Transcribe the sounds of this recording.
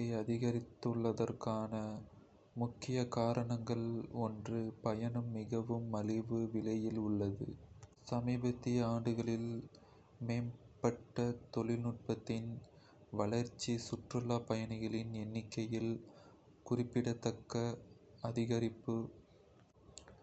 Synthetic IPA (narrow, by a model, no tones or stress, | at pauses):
ɐɪɐðɪɣɐɾɪt̪ːɯɭːɐðɐrkaːnɐ | mʊkːɪjɐkaːɾɐɳɐŋɡɐɭɔndrɯpɐjɐɳɯmːɪɣɐʋɯmːɐlɪʋɯʋɪɭɐjɪlʊɭːɐðɯ̰sɐmiːbɐt̪ːɪjɐaːɳɖɯɣɐɭɪl | meːnpɐʈːɐt̪ɔɭɪlnʊʈ̚pɐt̪ːɪn | ʋɐɭɐɾt͡ʃːisʊʈrɯlaːpɐjɐnɪɣɐɭɪnɛnːɪkːɐjɪl | kʊrɪpːɪɽɐt̪ːɐkːɐ | ɐðɪɣɐɾɪpːɯ